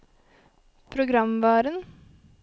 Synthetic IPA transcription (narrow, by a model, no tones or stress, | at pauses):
pʰɾʊɡɾɑmʋɑːɾən